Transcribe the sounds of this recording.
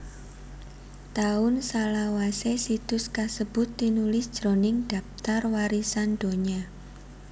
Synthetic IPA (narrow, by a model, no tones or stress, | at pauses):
t̪aʊnsalawasesit̪ʊskasəb̥ʊt̪ːinulɪsd̥ʒ̥ɾonɪŋd̥a̤ft̪arwaɾisand̥oɲa